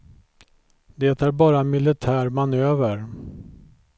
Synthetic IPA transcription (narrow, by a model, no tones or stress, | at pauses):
d̪et̪æɾbɑːɾamɪlɪt̪ʰæːɾmanøːvəɾ